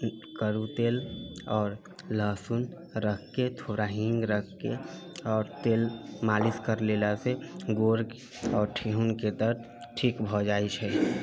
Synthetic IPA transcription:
kəɾut̪eːlɔːɾ | ləsun | ɾəkʰket̪ʰoːɾaɦɪ̃ŋɡɾəkʰke | ɔːɾt̪eːlmaːliskəɾlelaseɡoɾk | ɔːɾʈʰeɦunked̪əɾt̪ | ʈʰikbʱɔd͡ʒaːit͡ʃʰə

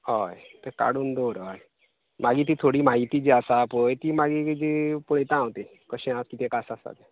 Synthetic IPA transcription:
ɦɔjt̪əka̰ɽuːnd̪oɾɦɔj | maɡit̪̬it̪ʰoɽimaɦit̪iːd͡ʑiasaːpojt̪imaɡikd͡ʒipoɭet̪ãwt̪i | kəɕẽakit̪ẽkasasa̰t̪e

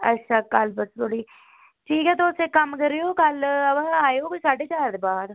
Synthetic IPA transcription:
ətːʃʰaːkəlbəst̪ʰoːɽiː | ʈʰiːkɦɛːt̪oʊsekəmkəɾːejoːkələbaːjoːkʊsaːɖeːt͡ʃaːɾd̪eːbaːd̪

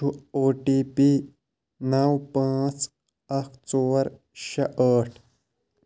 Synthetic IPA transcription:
uoːʈiːpi | nɐwpãːt͡s | ɐkʰt͡soːɾ | ɕɐʔəʈʰ

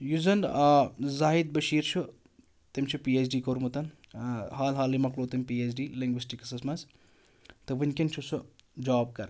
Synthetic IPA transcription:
juzɐn | zaːɦid̪̚bɐʃiːɾt͡ʃʰu | t̪imt͡ʃʰupiːeːt͡ʃɖiːkoɾmut̪ɐn | ɦaːlɦaːlimɐkloːt̪impiːesɖiːliŋɡʋisʈikɐsɐsmɐns | t̪ɨʋɨnʲkint͡ʃʰusud͡ʒaːb̚kɐɾ

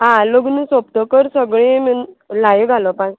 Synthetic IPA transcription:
ɦãloɡnusop̚t̪ɔkəɾsəɡɭẽmənlajiɡʱalɔpã

